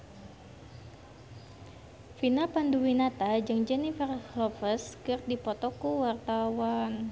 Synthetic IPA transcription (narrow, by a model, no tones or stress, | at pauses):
finapanduwinat̪ad͡ʒɨŋd͡ʒɛnifərlɔfəskɨrdipɔt̪ɔkuwart̪awan